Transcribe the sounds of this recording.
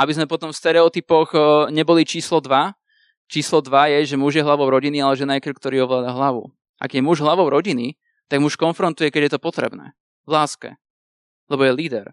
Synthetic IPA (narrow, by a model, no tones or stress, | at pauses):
abizmɛpɔt̪ɔmfst̪ɛɾɛɔt̪ipɔɣɲɛbɔlit͡ʃiːslɔd̪ʋa | t͡ʃiːslɔd̪ʋajɛʒɛmuʒjɛɦlaʋɔʊɾɔɟinialɛʒɛnajkr̩kt̪ɔɾiːɔʋlaːd̪aɦlaʋṵ | ʔa̰ɡjɛmuʒɦlaʋɔʊɾɔɟini | t̪aɡmuʃkɔnfɾɔnt̪ujɛkɛɟjɛt̪ɔpɔt̪ɾɛ̰bnɛ̰ː | vlaːskɛ̰ | lɛbɔjɛliːd̪ɛɾ